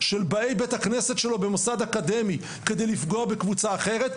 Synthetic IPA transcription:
ʃe̞lbae̞jbet̪akne̞se̞t̪ʃe̞lo̞be̞mosad̪akad̪e̞mi | ke̞d̪ejlifɡo̞abe̞kvut͡saːχe̞ʁet̪

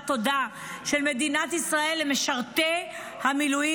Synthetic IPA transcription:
t̪o̞da | ʃelme̞d̪inat̪isʁaelːemeʃaʁt̪e | hamiluji

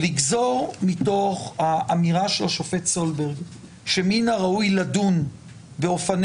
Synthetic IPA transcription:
liɡzo̞ʁmito̞χhaʔamiʁaʃelaʃofetsolbeʁɡ | ʃeminaʁaujladun | beofan

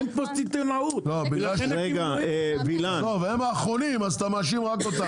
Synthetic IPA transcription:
npost̪it̪enaut̪lobiɡlaʃeɡaevilat̪oveemaːχʁonimazt̪amaʃ̬imʁakot̪a

